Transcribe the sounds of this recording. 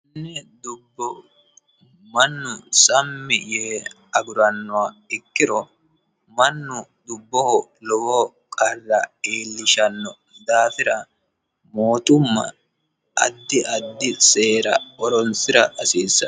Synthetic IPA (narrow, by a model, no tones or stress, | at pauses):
nnːɛd̪ʊbːɔ | mɐnːʊsɐmːɪjeː | ɐɡʊɾɐnːʊwaɪkːɪɾɔ | mɐnːʊd̪ʊbːɔhɔlɔwo | kʼɐrːɐ̰eːlːɪʃɐnːɔ | d̪aːfɪɾɐ | moːt̪ʊmːɐ̰ | ɐ̰d̪ːɪʔɐd̪ːɪseːɾɐ̰ɔɾɔnsɪɾɐʔɐsiːsːɐ